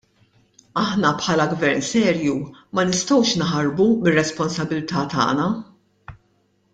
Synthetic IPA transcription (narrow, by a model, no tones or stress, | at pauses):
ɐħnɐpħɐːlɐɡvɛɾnsɛːɾjumɐnɪst̪ɔwʃnħɐɾbumɪrːɛspɔnsɐbɪlt̪ɐːt̪ɐ̰ːnɐ